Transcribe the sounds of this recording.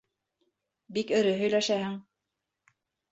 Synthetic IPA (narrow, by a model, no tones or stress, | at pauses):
bikɵ̆ɾɘɦɵ̆jlæʃæhɘŋ